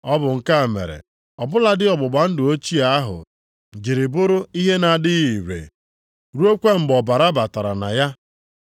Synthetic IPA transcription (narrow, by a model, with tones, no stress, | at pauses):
ɔ˦bʊ˨ŋ̩˨ka˦˨mḛ˨ɾḛ˨ | ɔ˨bʊ˦la˨dɪ˦ɔ˨ɡ͡bʊ˨ɡ͡ba˨n̩˦dʊ˨o˦t͡ʃi˦a˦ɦʊ̰˨ | d͡ʒi˨ɾɪ˨bʊ˦ɾʊ˦i˦ɦe˦na˨dɪ˦i˨ɾḛ˨ | ɾu˦o˦kʷe˦m̩˨bɔ˨ba˨ɾa˦ba˨ta˨ɾa̰˨na̰˨ja˦